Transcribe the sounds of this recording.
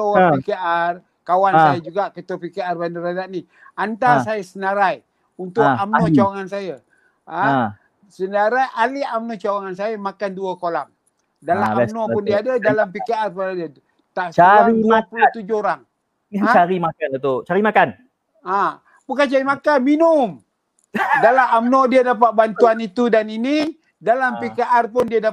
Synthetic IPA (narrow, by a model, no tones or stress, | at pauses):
towpikear | kawansajəd͡ʒuɡaʔkət̪əpikearbandəɾadaʔni | ant̪asajəsənaɾaj | unt̪ʊkamnɔt͡ʃawaŋansajə | a | sənaɾajʔaliamnɔt͡ʃawaŋansajəmakanduəkolaŋ | dalaamnɔʊndiaadadalampikaarpunada | t̪at͡ʃaɾimapuat̪ud͡ʒʊoɾaŋ | aat͡ʃaɾimakanat̪ut͡ʃaɾimakan | a | bukant͡ʃaɾimakanminʊm | dalaamnɔdiadap̬at̪̚bant̪uanit̪udanini | dalampikaʔarpʊndiada